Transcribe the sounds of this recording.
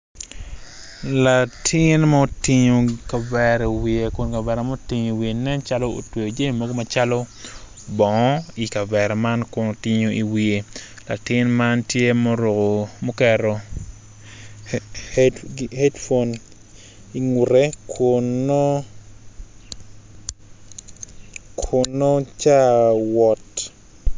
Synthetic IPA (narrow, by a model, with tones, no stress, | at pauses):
la˨tʰɪ˦nma˦o˦ti˨ɲo˨ka˨bɛɾɛ˨wi˨e˨kʊ˨nka˨bɛ˨ɾɛ˨mo˦o˦ti˨ɲo˨i˨wie˨nɛ˦nt͡ʃa˦lo˦o̰˨twe˨o˨d͡ʒe˦˨mo˦ɡo˦ma˨t͡ʃalo˦ | bɔ˨ŋɔ˦i˨ka˨bɛ˨ɾɛ˨ma˦nkʊ˨no˨ti˦ɲo˨ʔi˨wi˨e˨ | la̰˨tɪ˦nma˦ntje˦mo˦ɾo˨ko˨mo˦kɛ˨ɾo˨ | hdhɛ˦dfo˦n | i˨ŋu˨ɾe˦kʰʊ˨no˦ | kʰʊ˨no˦t͡ʃa˦wɔ˨t